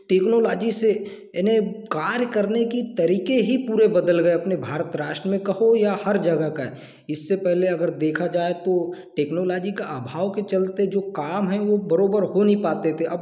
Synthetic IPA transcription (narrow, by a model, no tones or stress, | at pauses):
ʈeːknoːlɔːd͡ʒise | nekaːɾjkɐɾnekit̪ɐɾiːkeɦipuːɾebɐd̪əlɡɐeɐpnebʱaːɾət̪ɾaːʃʈɾəmẽkɐɦojahɐɾd͡ʒɐɡəkaɛ | ɪsːepɛɦleɐɡəɾd̪eːkʰad͡ʒaːet̪oʈeːknoːlɔːd͡ʒikaʔaːbʱaːʋket͡ʃɐlt̪ed͡ʒoːkaːmɦɛ̃ʋobɐɾoːbəɾɦonipaːt̪et̪ʰeʔɐb